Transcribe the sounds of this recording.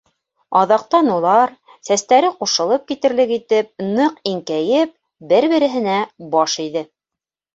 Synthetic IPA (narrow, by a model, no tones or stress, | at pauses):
ɑðɑq̚t̪ɑnulˠɑɾ | sæst̪æɾɘquʃɤ̆lˠɤp̚kit̪ɘ̆ɾlɘkit̪ɘp̚nɤqiŋkæjɘp̚ | bɘɾβɘ̆ɾɘ̆ɦɘ̆næbɑʃiðɘ